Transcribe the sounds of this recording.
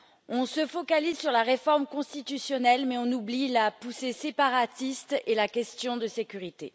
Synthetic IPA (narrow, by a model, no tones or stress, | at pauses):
ɔ̃səfɔkalizsyʁlaʁefɔʁmkɔ̃st̪it̪ysjɔnɛlmɛɔ̃nublilapusesepaʁat̪ist̪elakʲɛst̪jɔ̃d̪əsekʲyʁit̪e